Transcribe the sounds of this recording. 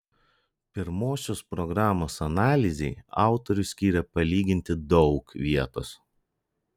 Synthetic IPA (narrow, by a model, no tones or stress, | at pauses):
pʲɪɾmoːsʲoːspɾɔɡɾɑːmoːsɐnɑːlʲɪzʲɛɪɑ̰ˑʊt̪ɔɾʲʊsʲkʲiːɾʲɛpɐlʲiːɡʲɪnʲt̪ʲɪd̪ɒʊkʋʲiɛt̪o̰ːs